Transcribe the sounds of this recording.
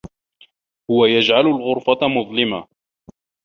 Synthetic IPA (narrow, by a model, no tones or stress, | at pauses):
hʊwajad͡ʒʕalʊlɣʊɾfamʊðˤlɪma